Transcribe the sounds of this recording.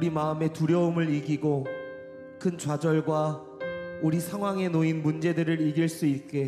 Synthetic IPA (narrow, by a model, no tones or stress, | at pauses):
uɾimaɯme̞tuɾjʌumɯɾiɡiɡo | kʰɯnt͡ɕwad͡ʑʌɭɡwa | uɾisʰaŋɦwaŋe̞noinmund͡ʑe̞dɯɾɯɾiɡiɭs͈uit̚k͈e̞